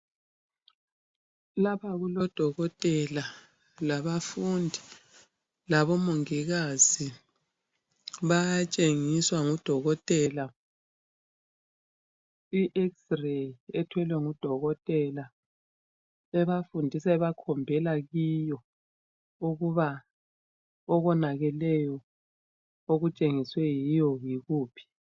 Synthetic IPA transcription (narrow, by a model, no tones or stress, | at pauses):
lapaɣulɔd̥ʱɔɣɔtʼɛla | laβafundʱi | laβɔmoŋiɣazi | βajat͡ʃʼeŋiswaŋud̥ʱɔɣɔtʼɛla | iʔeksrejɛtʰwɛlwɛŋud̥ʱɔɣɔtʼɛla | ɛβafundʱisaɛβakʰɔmbʱɛlaɣijɔ | uɣuβa | ɔɣɔnaɣɛlɛjɔ | oɣut͡ʃʼeŋiswɛjijɔjiɣuːpʰi̥